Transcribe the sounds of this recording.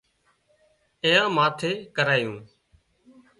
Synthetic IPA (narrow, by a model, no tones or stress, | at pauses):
ɪ̃ːjãːmãːt̪ʰeːkəɾaːjũː